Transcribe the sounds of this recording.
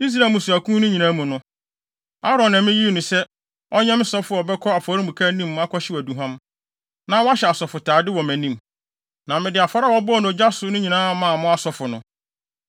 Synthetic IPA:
i˦s̬ɾa˨mũ˨sʊ˨æ˨kʰũ˦nʊ̃˦ɲĩ˨nãː˦mũ˨nʊ̃˦ | a˦ɾɔ̃˨nã˨mɪ̃˦ji˦˨nʊ̃˨sɛ˦ | ɔ˦ɲɛ̃˦m˦sɔ˦fʊ˦˨bɛ˦kʰɔ˦a˨fɔ˨˦ɾĩ˦bũ˨kʰa˦nĩ˦mː˦a˦kʰɔ˦ɕɪ˦wæ˨du˨ɦã˦m | nã˦wa˦ɕɛ˨a˨sɔ˨fʊ˨tʰaː˨dɪ˦wɔ˨mæ̃˨nĩ˦m | nã˨mɪ̃˨dɪ˨a˨fa˦ɾa˦˨wɔ˦bɔ˦˨ñ˨ɔ˨d͡ʑa˦sʊ˨nʊ̃˦ɲĩ˨nãː˦mã˨mʊ̃˦a˨sɔ˨fʊ˨nʊ̃˨

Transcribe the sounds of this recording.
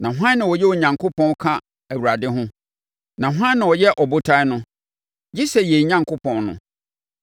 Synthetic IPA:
nã˨ɦʷã˦nːɪ̃˨wɔ˨jɛ˦wɔ˨ɲã˨ŋkʰo˦pʰɔ̃˦n˦kʰã˦ | æ˨wu˨ɾa˨dɪ˦ɦʊ̃˦ | nã˨ɦã˦nː˦ã˨wɔ˨jɛ˦ʔɔ˨bʊ˦tʰa˦nʊ̃˦ | d͡ʑi˦sɛ˨je˨ɲã˦ŋkʰo˦pʰɔ̃˨nnʊ̰̃˨

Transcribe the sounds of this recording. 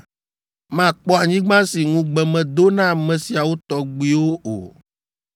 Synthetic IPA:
mã˦˨k͡pɔ˦a˨ɲĩ˦ɡ͡bã˦si˨ŋũ˦ɡ͡bɛ˨mɛ̃˨d̪o˦nã˦˨mɛ̃˨si˨a˨wo˦t̪ɔ˦ɡ͡bi˦wo˦o̰˨

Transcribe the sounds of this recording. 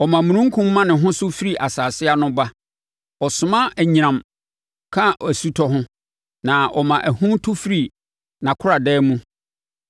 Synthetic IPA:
ɔ˨mã˨mũ˨ɾũ˦ŋ̩˦kʰũ˦mː˦ã˦nɪ̃˨ɦʊ̃˦sʊ˦fi˦ɾi˨ʔa˨saː˨sɪ˦a˦nʊ̃˦ba˦ | ɔ˨sʊ˨mã˦ʔæ˨ɲĩ˨ɾã˨m | kʰã˦æ˨su˦tʰɔ˦ɦʊ̃˦ | nã˨ʔɔ˨mã˨ʔæ˨hũ˦n˦tʰʊ˦fi˦ɾi˨ | nã˨kʰʊ˦ɾa˨dɛː˦mũ˦

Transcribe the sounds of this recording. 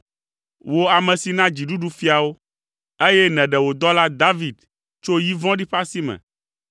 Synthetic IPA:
wo˦a˨mɛ̃˨si˨nã˦d͡ʑi˨ɖu˦ɖu˦fi˦a˨wo˦ | e˦jɛ˦nɛ̃˨ɖɛ˨wo˨d̪ɔ˦la˦d̪a˦vi˨d̪ | t͡ʃo˦ji˦vɔ̃˦ɖi˦ɸa˦si˦mɛ̰̃˨

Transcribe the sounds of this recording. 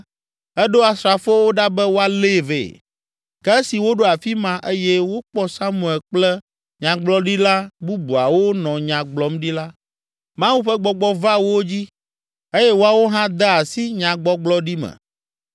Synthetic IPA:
ɛ˦ɖo˦a˨sɾa˨fo˦wo˦ɖa˦bɛ˦wo˦a˨le˦˨vḛ˨ | kɛ˦si˨wo˦ɖo˦a˨fi˦mã˦ʔe˦jɛ˦wo˦k͡pɔ˦sa˦mũ˨ɛ˨lk͡plɛ˦ | ɲã˨ɡ͡blɔ˦ɖi˦la˦bu˦bu˨a˨wo˦nɔ̃˨ɲã˨ɡ͡blɔ˨˦mɖi˦la˦ | mã˦wu˦ɸɛ˦ɡ͡bɔ˨ɡ͡bɔ˦va˦wo˦d͡ʑi˦ | e˦jɛ˦wo˦a˨wo˦ɦã˦d̪ɛ˦a˨si˦ɲã˨ɡ͡bɔ˦ɡ͡blɔ˦ɖi˦mɛ̰̃˨

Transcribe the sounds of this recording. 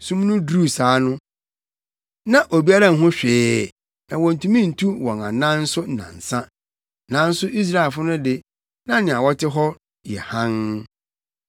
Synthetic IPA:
sũ˦m˦nʊ̃˦dɾuː˦˨saː˨˦nʊ̃˦ | nã˦ʔo˨bi˦a˦ɾã˦˨ɦʊ̃˦ɕᶣɪː˨˦ | ɛ˨wɔ̃˨n̩˨tʰũ˦mĩ˦n̩˨tʰu˦wɔ̃˨nã̰˨nã˦nn̩˦sʊ˦˨nã̰˨n̩˨sã˦ | nã˨˦n̩˦sʊ˦i˦s̬ɾa˦˨e˨lfʊ˦nʊ̃˦dɪ˦ | nã˦nɪ̃˨a˨wɔ˦tʰɪ˦ɦɔ˦ | jɛ˨hã˦n

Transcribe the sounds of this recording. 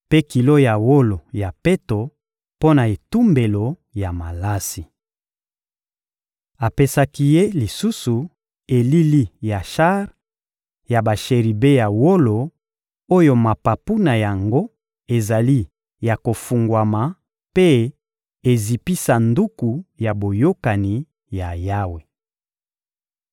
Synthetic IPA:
pe˦ki˨lo˦ja˨wo˦lo˨ja˨pe˦to˨ | po˦na˨e˨tu˦mbe˨lo˨ | ja˨ma˨la˦si˨ | a˨pe˦sa˦ki˦je˦li˨su˦su˨ | e˨li˦li˦ja˨ʃa˦ʁ | ja˨ba˨ʃe˨ʁi˨be˦ja˨wo˦lo˨ | o˦jo˦ma˨pa˨pu˦na˨ja˨ŋɡo˦ | e˨za˨li˦ | ja˨ko˨fu˨ŋɡwa˨ma˨ | pe˦ | e˨zi˨pi˦sa˨ndu˦ku˨ja˨bo˨jo˦ka˨ni˨ | ja˨ja˦we˨

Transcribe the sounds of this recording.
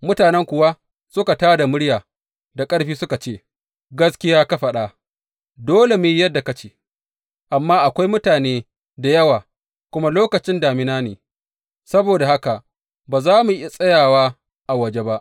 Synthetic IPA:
mʊ˦taː˨nɛ˦ŋkʷʊ˨wa˦ | sʊ˦ka˨taː˦da˨mʊ˦ɽjaː˨ | da˨kʼɐ˦ɽɸiː˦sʊ˦ka˨t͡ʃeː˦˨ | ɡɐ˦skʲɪ˦jaː˦ka˦ɸɐ˨ɗa˦ | doː˦le˨mʊ˨ji˦jɐ˦dːa˨ka˦t͡ʃeː˨ | ʔa˨mːaː˦ʔa˨kʷa˦jmʊ˦taː˨neː˦ | da˨jɐ˦waː˨ | kʷʊ˦ma˦loː˦kɐ˨t͡ʃɪ˦ndaː˨mɪ˦naː˦neː˨ | sɐ˦boː˨da˨ha˦ka˨ʔ | baː˨zaː˦mu˨ʔɪ˦a˨sʼɐ˦jaː˨waː˦ | ʔa˨wɐ˨d͡ʒe˦ba˦ʔ

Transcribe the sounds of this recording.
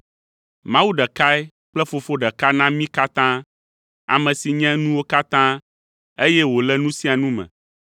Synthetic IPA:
mã˦wu˦ɖɛ˨ka˦ɛ˦ | k͡plɛ˦fo˨fo˦ɖɛ˨ka˦nã˦mĩ˦ka˦t̪ã˦ | a̰˨mɛ̃˨si˨ɲɛ̃˦nũ˦wo˦ka˦t̪ã˦ | e˦jɛ˦wo˨lɛ˦nũ˦si˦a˨nũ˦mɛ̰̃˨

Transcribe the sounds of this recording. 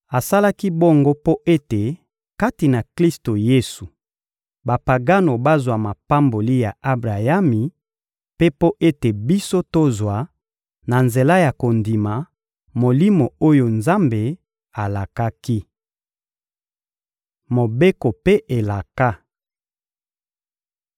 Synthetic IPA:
a˨sa˦la˦ki˦bo˦ŋɡo˦po˦ʔe˦te˨ | ka˦ti˨na˨kli˦sto˨je˦su˨ | ba˨pa˨ɡa˦no˨ba˦zwa˨ma˨pa˦mbo˨li˦ja˨a˦bʁa˨ja˦mi˨ | pe˦po˦ʔe˦te˨bi˦so˦to˦zwa˨ | na˨nze˨la˦ja˨ko˨ndi˨ma˨ | mo˨li˦mo˨o˦jo˨nza˦mbe˨ | a˨la˨ka˦ki˦ | mo˨be˦ko˨pe˦ʔe˨la˨ka˦

